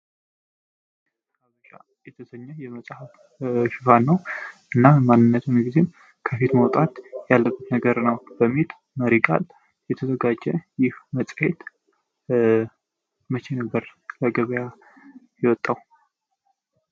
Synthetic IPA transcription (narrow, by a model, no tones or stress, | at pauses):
kaβət͡ʃʼa̰ | jɛt̪ʰəsəɲːəjɛməsʼhəf | ʃɪfanːəwʔɨnːamanːɨnːət̪ʰumiɡizem | kʰəfit̪məwt̪ʼat̪jalːəbːət̪nəɡəɾnəwb̥əmːit̪ | məɾiɡʼa̰l | jɛt̪ʰəzəɡad͡ʒːɛjɪhməsʼhet̪ | mət͡ʃenəbːəɾləɡəβəja | jɛwɔt̪ʼːaw